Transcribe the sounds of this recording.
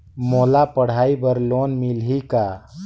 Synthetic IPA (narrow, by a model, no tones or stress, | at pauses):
moːlapəɽ̤aːibəɾlonmilɦika